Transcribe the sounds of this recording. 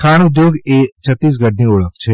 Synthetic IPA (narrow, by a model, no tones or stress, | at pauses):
kʰaːñʊd̪joːɡeːt͡ʃʰət̪ːiːs̬ɡəɖnĩʊɭəkt͡ʃʰeː